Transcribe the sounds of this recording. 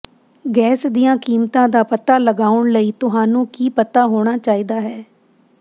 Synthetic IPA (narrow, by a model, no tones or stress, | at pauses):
ɡɛːsd̪ɪjãːkiːmt̪ãːd̪aːpət̪aːləɡaːʊɳləiːt̪ʊɦaːnũːkiːpət̪aːɦoːɽ̃aːt͡ʃaːiːd̪aːɦɛː